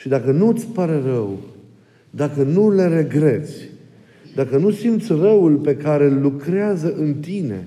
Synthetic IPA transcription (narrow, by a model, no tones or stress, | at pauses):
ʃid̪akənut̪sʲpaɾe̞rəw | d̪akənuleɾe̞ɡɾe̞t̪sʲ | d̪akənusimt̪sʲrəwulpe̞kaɾe̞llːukɾeazəʔɨnt̪ine̞̰